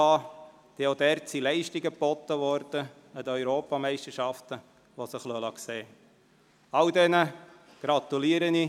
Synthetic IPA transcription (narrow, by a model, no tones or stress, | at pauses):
ɑː | d̪̥ɛod̪ɛːɾtsilɛɪʃtiɡəpɔt̪əʋɔɾd̪̥ə | əd̪əœʏɾoːpɑmɛɪʃtəʃɑft̪ə | ʋosəχlølɑkseː | ɑld̪ɛnə | ɡ̥ɾɑt̪uliːəɾəni